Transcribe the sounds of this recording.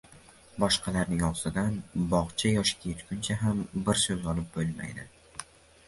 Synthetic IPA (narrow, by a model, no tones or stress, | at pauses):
bɒʃqʰɑlaɾnɪŋɒst̪ɪd̪anbɒʁt͡ʃʰajɒʃkʲʰet̪kʲʰʊnt͡ʃʰaɦambɪɾsɵzɒlˠɪp̚bolma̰jd̪ɪ̰